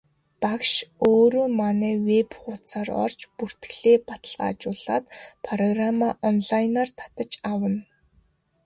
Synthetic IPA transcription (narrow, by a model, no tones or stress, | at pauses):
pakʃoːɾoːmanɛːwepχʊt͡sʰaːrɔ̰r̥t͡ɕpur̥t̪ɡɮeːpat̪ə̆ɮʁa̰ːt͡ɕʊːɮa̰ːt̪pʰrɔɣramaʔɔnɮajnaːrt̪ʰḁt̪ə̆t͡ɕawə̆n